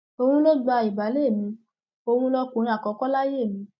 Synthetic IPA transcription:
o˧hũ˦lo˦d͡ʒa˧i˨ba˨˦le˦˨mĩ˨˧˦ | o˧hũ˦lɔ˧kũ˨˧ɾ̃ĩ˧˦a˨kɔ˧˦kɔ˦la˦je˦˨mĩ˨˧˦

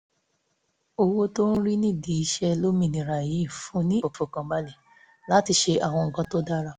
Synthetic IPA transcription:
o˧wo˧to˦ñ̩˦ɾi˦nĩ˦˨di˨i˧ʃɛ˧lo˦mĩ˦˨nĩ˨ɾa˨ji˨˦i˦˨fũ˨˦nĩ˦o˨fo˨kã˨ba˦li˨ | la˨˦ti˧ʃe˧ʔa˦˨w̃ɔ̃˧ŋ̩˨kã˧to˦da˦ɾa˧˨

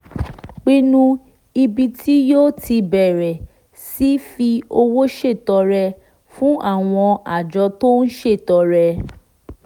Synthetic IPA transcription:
k͡pi˦nũ˧ | i˧bi˧tʰi˦joː˦tʰi˧bɛ˨ɾɛ˨ | si˦fi˧o˧wo˦ʃe˦˨tɔ˧ɾɛ˧ | fũ˦ʔa˦˨w̃ɔ̃˧a˨d͡ʒɔ˧˦to˦n̩˦ʃe˦˨tɔ˨˧ɾɛ˧

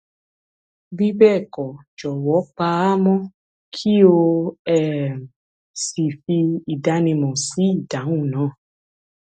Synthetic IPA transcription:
bi˦bɛː˦˨kɔ˨ | d͡ʒɔ˨wɔ˨˦k͡pa˧a˦mɔ̃˦ | kʰi˦o˧ɛ˦˨m˨ | si˨fi˧i˨da˨˦nĩ˧mɔ̃˨si˨˦i˦˨da˨˦w̃ũ˦˨nãː˨˦˨

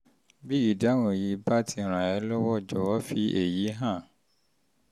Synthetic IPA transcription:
bi˦i˨da˦w̃ɔ̃˨ji˨˧ba˦tʰi˧˨ɾ̃ã˨ɛ˨˧˦lɔ˦wɔ˦˨d͡ʒɔ˨wɔ˦fi˦e˨ji˨˦ɦã˦˨

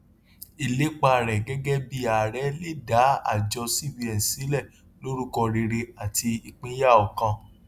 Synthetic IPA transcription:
i˨le˨˦k͡pa˧˨ɾɛ˨ɡɛ˦ɡɛ˦bi˦a˨ɾɛ˨˦li˦˨da˨˦a̰˦˨d͡ʒɔ˧si˦˨bi˧ɛ˨sĩ˨˦lɛ˦˨ | lo˦ɾu˦kɔ˧ɾe˧ɾe˧a˨ti˧i˧k͡pĩ˦ja˦˨ɔ˨kã˧

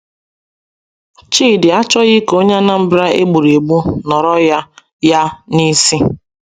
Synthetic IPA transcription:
t͡ʃiː˦˨dɪ˨a˦t͡ʃɔ˦ɣɪ˦ko˦ɲe˦na˦m̩˦bɾa˦ʔḛ˦ɡ͡bu˨ɾe˨ɡ͡bu˦nɔ˨ɾɔ˦ja˦ | ja˦ni˦si˦

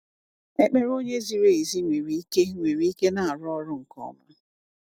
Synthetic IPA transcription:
e˦k͡pe˦ɾo˦ɲe˦zi˨ɾe˦˨i˨zi˦ŋʷe˨ɾi˨i˦ke˦ŋʷe˨ɾi˨˦ke˦na˨a˨ɾʊ˦ɔ˦ɾʊ˦ŋ̩˨kɔ̰˦ma̰˦

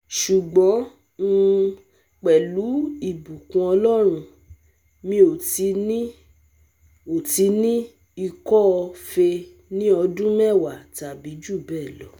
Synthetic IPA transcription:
ʃu˨ɡ͡bɔ̃˨˦ | n̩˦ | k͡pɛ˨lu˨˦i˦˨bu˨kũ˧ɔ˧lɔ˦ɾ̃ũ˧ | mĩ˧˦o˨˧˦ | o˨ti˧˦nĩ˦ | i˧kɔ˦ɔ˧fe˧ | nĩ˦ɔ˧dũ˦mɛ˦˨wa˨ta˨bi˨˦d͡ʒu˦˨bɛ˦˨lɔ˨˦

